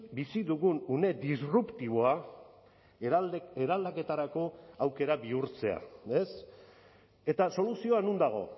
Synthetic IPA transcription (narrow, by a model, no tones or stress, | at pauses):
bisiðuɣunune̞d̪isrupt̪iβ̞o̞a | eɾald̪ake̞t̪aɾako̞awke̞ɾabiuɾt͡se̞a̰e̞s | e̞t̪aso̞lusio̞anund̪aɣ̞o̞̰